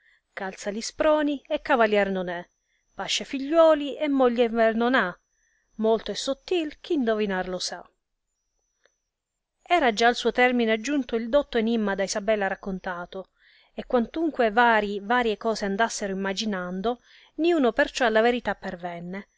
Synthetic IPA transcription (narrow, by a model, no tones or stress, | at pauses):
kalt̪salispɾɔːniekːavaljɛrnonɛ | paʃːefiʎːwɔːliʔemːoʎːenona | mːolt̪oesːot̪ːilk̟iːnd̪ovinarlosa | ɛːɾad͡ʒaːlsuːot̪ɛrminead͡ʒːunt̪oild̪ot̪ːoenimːad̪aizabɛlːaɾakːont̪aːt̪o | ekːwant̪uŋkwevaɾivaːɾjekɔːzeand̪asːeɾoimːad͡ʒinand̪o | niuːnopert͡ʃɔlːaveɾit̪apːervɛnːe